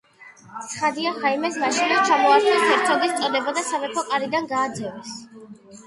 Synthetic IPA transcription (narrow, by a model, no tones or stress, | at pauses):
t̪sʰχad̪iaχaimɛsmaʃinat͡ʃʰamɔaɾt̪ʰɛstʰɛɾt̪sʰɔd̪ist̪sʼɔd̪ɛbad̪asavɛpʰɔkʼaɾid̪anɡaːd̪zɛvɛs